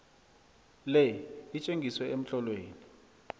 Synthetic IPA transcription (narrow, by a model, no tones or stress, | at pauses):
lɛit͡ʃʼeŋɡʱiswɛʔem̩ɬɔlweːni